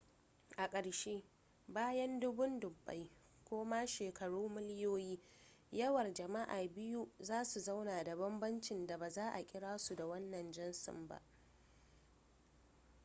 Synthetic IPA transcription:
ʔa˨kʼɐ˨ɽʃe˦ | baː˦jɐ˦ndʊ˦bʊ˦ndʊ˨bːa̰˦j | kʷoː˦ma˦ʃeː˨kʰɐ˨ɽuː˦mɪ˦lɪ˦joː˦jiː˦ | jɐ˦wɐ˨rd͡ʒɐ˨ma˦ʔa̰ː˨bɪ˦ju˦zaː˦su˨za˦wnaː˨da˨bɐ˦mbɐ˦nt͡ʃɪ˨nda˨baː˨zaː˦ʔa˨kʲʼɪ˦ɽaː˦su˨da˨wɐ˦nːɐ˨nd͡ʒɐ˦nsʊ̰˨mba̰˦˨ʔ

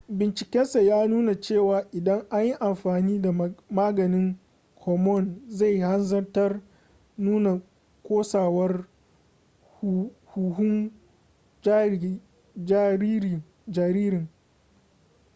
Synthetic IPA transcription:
bɪ˨nt͡ʃɪ˨kʲɛ˦nsa˨jaː˦nuː˦na˨t͡ʃeː˦˨waː˨ʔɪ˨dɐ˦ŋʔa˦ɲji˦ʔa˨mɸaː˨niː˦da˨maː˦ɡɐ˨nɪ˦ŋ | kʰɔ˨mɔ˦˨nza˦˨jha˦nzɐ˦rtɐ˦r | nuː˦na˨ | kʷoː˦saː˨wɐ˦r | huː˨ɦʊ˦ŋ˦ | d͡ʒ | d͡ʒa˨ɾiː˦ɾɪ˨ŋ

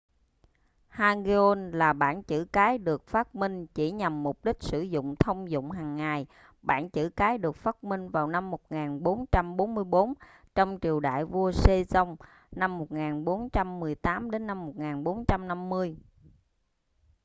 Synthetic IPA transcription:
haː˧ɣe˧o˧nlaː˨˩ɓa̰ː˧˩nt͡ɕɨ̰˧˩kaː˨˦jɗɨ˨˩ək̚faː˦˥t̚mï˧ŋ̟t͡ɕi˧˩ɲa˨˩mːʊ˨˩k͡p̚ɗï˦˥k̟̚sɨ̰˧˩zʊ̰˧˨ŋ͡mt̪ʰə˧wŋ͡mzʊ̰˧˨ŋ͡mɦaː˨˩ŋːa˨˩j | ɓa̰ː˧˩nt͡ɕɨ̰˧˩kaː˨˦jɗɨ˨˩ək̚faː˦˥t̚mï˧ŋ̟vaː˨˩wna˧mːo˨˩t̚ŋaː˨˩nɓo˨˦nt͡ɕa˧mɓo˨˦nmɨ˧əjɓo˨˦n | t͡ɕɔ˧wŋ͡mt͡ɕi˨˩əwɗa̰ː˧˨jvu˧əse˧zə˧wŋ͡m | na˧mːo˨˩t̚ŋaː˨˩nɓo˨˦nt͡ɕa˧mːɨ˨˩əjt̪aː˨˦mɗe˨˦nːa˧mːo˨˩t̚ŋaː˨˩nɓo˨˦nt͡ɕa˧mna˧mːɨ˧əj

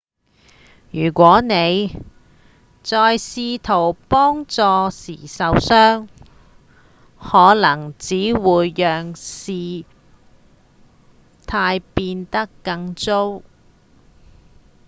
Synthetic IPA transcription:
jyː˨˩kʷɔː˨˥ne˨˧j | t͡sɔː˧jsiː˧t̪ʰo˨˩wpɔː˥ŋt͡sɔː˧siː˨˩sɐ˨˧wsœː˥ŋ | hɔː˨˥lɐ˨˩ŋt͡siː˨˥wuː˨˧jːœː˨ŋsiː˨˧ | t̪ʰaː˧jpiː˧nt̪ɐ˥kːɐ˧ŋt͡so˥w

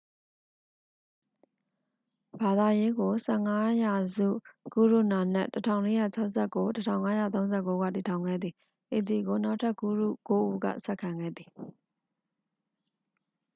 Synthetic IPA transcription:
ba˨d̪a˨je˦ɡo˨sɛ̰˦˨ŋa˦ja˨zṵ˦˨ku˦˨ɹu˦˨na˨n̥ɛ̰˦˨tətʰã̰˦˨ʊ̃le˦ja̰˦˨t͡ɕʰa˦ʊsɛ˦˨kːo˦tətʰã̰˨ʊ̃ŋa˦jä̰˦˨t̪̬õ˦ʊ̃nzɛ˦˨ko˦ɡa̰˦˨ti˨tʰã˨ʊ̃ŋɡɛ̰˦˨d̪ði˨ | ʔe˨t̪ði˨ɡo˨na˦ʊʔtʰa˦˨ku˦˨ɹṵ˦˨ko˦ʔṵ˦ɡä̰˦˨sɛ˦ʔkʰã˨ŋɡɛ̰˦˨d̪ði˨

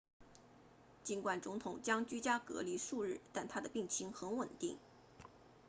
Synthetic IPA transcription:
t͡ɕi˧˥nkwa˨˩nt͡sʊ˧˥ŋt̪ʰʊ˨˩ŋt͡ɕjɑ˥ŋt͡ɕy˥t͡ɕja˥kɤ̰˧˥li˧˥ʂu˥˧ɻɻ̩˥˩t̪a˥˩nt̪ʰa˥d̪ə˨pi˥˩ŋt͡ɕʰi˧˥ŋxə˧˥nwə˨˩nt̪i˥˩ŋ

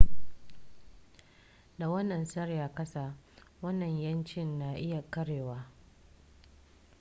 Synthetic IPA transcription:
da˨wɐ˦nːɐ˨nsɐ˦ɽjaː˨kɐ˦saː˨ | wɐ˦nːɐ˨ɲjɐ˦nt͡ʃɪ˦nːa˦ʔɪ˦ja˨kɐ˦ɽeː˨waː˦

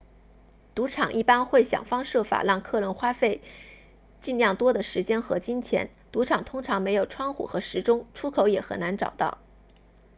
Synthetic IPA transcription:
t̪u˧˥ʈ͡ʂʰɑ̰˨˩ŋʔi˥˩pa˥nxwe˥˩ɪɕjɑ̰˨˩ŋfɑ˥ŋʂɤ˥˩fa̰˨˩ɻɑ˥˧ŋkʰɤ˥˧lə˧˥nxwa˥fe˥˧ɪ | t͡ɕi˥˧nljɑ˥˩ŋt̪wɔ˥d̪ə˨ʂɻ̩˧˥t͡ɕjɛ˥nxɤ˧˥t͡ɕi˥nt͡ɕʰjɛ̰˧˥n | t̪u˧˥ʈ͡ʂʰɑ˨˩ŋt̪ʰʊ˥ŋʈ͡ʂʰɑ˧˥ŋme˧˥ɪjo˨˩ʊʈ͡ʂʰwɑ˥ŋxṵ˨˩xɤ˧˥ʂɻ̩˧˥ʈ͡ʂʊ˥ŋʈ͡ʂʰu˥kʰo˧˥ʊjɛ˨˩xə̰˨˩na˧˥nʈ͡ʂɑ̰˨˩ʊt̪ɑ̰˥˩ʊ

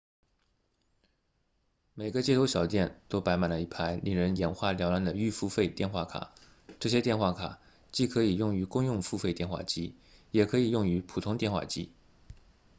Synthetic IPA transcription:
me˨˩ɪɡə˦t͡ɕjɛ˥˩t̪ʰo˥ʊɕjɑ˨˩ʊt̪jɛ˥˩nt̪o˥ʊpa˧˥ɪma˨˩nlə˦i˧˩pʰa˥ɪli˨˩ŋɻə˧˥njɛ˧˥nxwa˥˩ljɑ˧˥ʊla˧˥nd̪ə˨y˥˧fu˥˧fe˥˧ɪt̪jɛ˥˧nxwa˥˩kʰa̰˨˩˦ | ʈ͡ʂɤ˥˩ɕ̬jɛ˥t̪jɛ˥˧nxwa˥˩kʰa̰˨˩˦ | t͡ɕi˥˩kʰɤ˧˥i˨˩jʊ˥˩ŋy˧˥kʊ˥ŋjʊ˥˧ŋfu˥˧fe˥˧ɪt̪jɛ˥˧nxwa̰˥˩t͡ɕi˥ | jɛ˨˩kʰɤ˧˥i˨˩jʊ˥˩ŋy˧˥pʰu˨˩t̪ʰʊ˥ŋt̪jɛ˥˧nxwa̰˥˩t͡ɕḭ˥

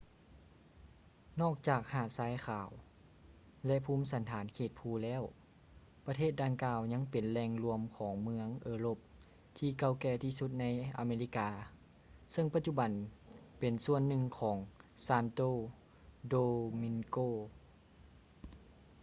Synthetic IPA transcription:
nɔː˥˩k̚t͡ɕaː˨˩k̚haː˧˩saː˨˧˦jxʰaː˨˩w | lɛ˧ʔpʰuː˧˥˨msa˨˦nt̪ʰaː˩˦nkʰeː˧˩t̪̚pʰuː˧˩lɛː˧˥˨w | pa˧t̪ʰeː˥˩t̪̚da˧ŋkaː˧wɲa˧˥ŋpe˨nlɛː˧ŋlu˧əmkʰɔː˩˦ŋmɯ˧əŋʔɤː˧loː˧˩p̚ | t̪ʰiː˧˩ka˧˩wkɛː˧˩t̪ʰiː˧su˧˥t̪̚na˧˥jʔa̰ː˨˧meː˧li˧˥kaː˧ | sɤ˧˨ŋpa˧t̪̚t͡ɕu˧˩ba˨˦npe˨˩nsu˧ənːɯ˧ŋkʰɔː˩˦ŋsaː˧nt̪oː˧ | doː˧mi˧ŋkoː˧˩

